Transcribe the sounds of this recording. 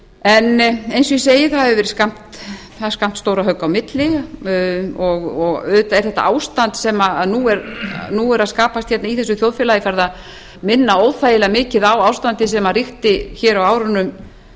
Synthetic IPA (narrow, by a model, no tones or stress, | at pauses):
ɛnejnsɔiseːjɪθaðɛɾvɛɾ̥skam̥t̪ | aðɛɾ̥skam̥t̪st̪owɾaɦœkːawmɪt̪lɪ | ɔɣɔɣʏðt̪aɛɾ̥θɛht̪a̰ʔaːwst̪ant̪sɛmaaðnuɛɾnuɛɾaðskaːpast̪çɛt̪naiθɛs̬ːʏθjowðfɪlajɪfaɾðað | mɪnːaowðθajɪlamɪːcɪðawawst̪ant̪ɪsɛmarixt̪ɪçɛːɾawaːwɾʏnʏm